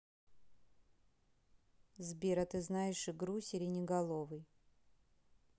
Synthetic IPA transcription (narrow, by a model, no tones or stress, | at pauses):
zbʲeɾɐt̪ɨznajɪʂɨɡɾusʲɪɾʲɪnʲɪɡɐlˠovɨj